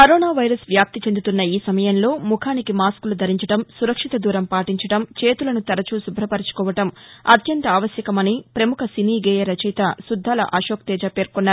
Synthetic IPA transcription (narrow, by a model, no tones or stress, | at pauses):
kɐɾoːnaːʋɐjɾɐsʋjaːp̚t̪it͡ʃend̪ut̪unːɐiːsɐmɐjɐnlo̞ːmukʰaːnikimaːskulud̪ʱɐɾiɲt͡ʃɐʈɐmsuɾɐkʂit̪ɐd̪uːɾɐmpaːʈiɲt͡ʃɐʈɐmt͡ʃe̞ːt̪ulɐnut̪ɐɾɐt͡ʃuːsubʱɾɐpɐɾit͡ʃu̥kɔːʋɐʈɐmɐt̪ʰjɐnt̪ɐaːʋɐsjɐkɐmɐnipɾɐmukʰɐsiniːɡeːjɐɾɐt͡ʃɐjt̪ɐsud̪ʱːaːlɐ̰ʔɐʃoːk̚t̪ɛːd͡ʒaːpe̞ːɾkɔnːaː